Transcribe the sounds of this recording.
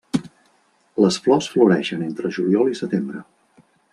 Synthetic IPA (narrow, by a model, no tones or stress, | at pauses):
ləsflɔsfluɾɛʃənent̪ɾəʒuljɔlˠisət̪embɾə